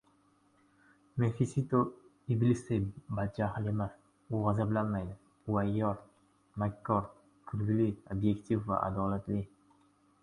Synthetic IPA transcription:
mefisit̪o | iblisebad̪̚t͡ʃʰahɪlemas | ʊʁazablanmajd̪ɪ | ʊwajːɒɾ | makʲʰːɒɾ | kʰʊɾɡʲɪliobje̞kʲt̪ʰifva̰ʔa̰d̪ɒlat̪lɪ

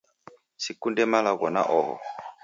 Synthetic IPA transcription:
sikundɛmalaɣɔna̰ʔɔɦɔ̰

